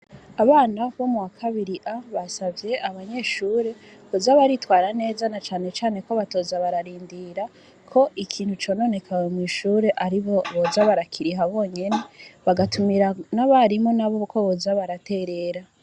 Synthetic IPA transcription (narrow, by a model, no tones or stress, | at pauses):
aβaːnaβo̞muwakʰaβiɾiʔaβasavje̞ʔaβaɲe̞ʃuːɾe̞ | ozaβaɾitwaːɾane̞ːzanat͡ʃaːne̞t͡ʃaːne̞ko̞βato̞ːzaβaɾaɾiːndiɾa | kʰo̞ʔikʰiːnhut͡ʃo̞ːno̞ːne̞kʰawemwiːʃuːɾe̞ʔaɾiβo̞βo̞zaβaɾakʰiɾiɦaβo̞ːɲe̞ne̞βaɡatumiɾanaβaɾimonaβo̞ko̞βozaβaɾate̞ɾe̞ɾa